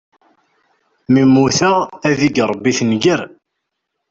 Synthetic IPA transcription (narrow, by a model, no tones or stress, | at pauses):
mimːuθææðiɡɾˤəbːiθnɡəɾ